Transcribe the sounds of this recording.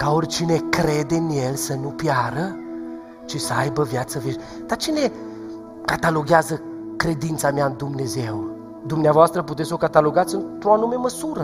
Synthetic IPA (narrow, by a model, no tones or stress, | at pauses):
kaorʲt͡ʃine̞kɾe̞d̪eɨnje̞lsənupjaɾə | t͡ʃisəajbəvjat̪səveʃ | d̪̥at͡ʃine̞ | kat̪alo̞ɡeazə | kɾe̞d̪int̪sameaɨnd̪umne̞ze̞w | d̪umneavoast̪ɾəp̬ut̪et̪sokat̪alo̞ɡat̪sɨnt̪ɾoanume̞məsuɾə